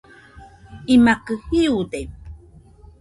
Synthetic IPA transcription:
imakəhiudem

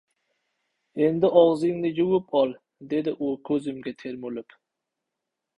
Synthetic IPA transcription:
end̪ɪʔɒʁzɪŋnɪjuwʊpʰɒlˠ | d̪e̞d̪ɪʔʊkʲʰɵzɪmɡʲat̪ʰeɾmulɪp

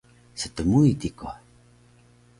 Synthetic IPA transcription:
sət̪əmuit̪iko

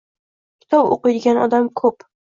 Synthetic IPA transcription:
kʲʰɪ̥t̪ʰɒpo̰qɨjd̪ɪɡʲanɒ̰d̪amkʰɵp

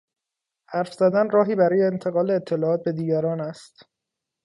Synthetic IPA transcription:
hæɾfz̥æd̪ænrɒːɦiːbæɾɒːjeːnt̪ʰe̞ɣɒːleːt̪ʰːe̞lɒːɒːt̪̚be̞d̪iːɟæɾɒːnæst̪

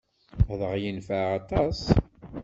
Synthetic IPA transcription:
ðəʁjinfəɑt̪ˤɑs

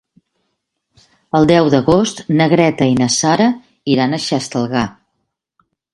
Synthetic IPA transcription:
əlˠd̪ɛwd̪əɣost̪nəɣɾɛt̪əinəsaɾə | iɾanəʃɛst̪əlˠɣa

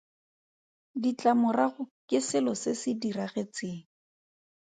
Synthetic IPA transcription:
dit͡ɬamʊraɣʊkɪsɪlɔsɪsɪdiraɣet͡sɪːŋ̩

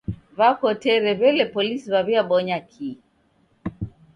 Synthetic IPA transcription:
βakɔtɛɾɛβɛlɛpɔlisiβaβiaɓɔɲakʰi

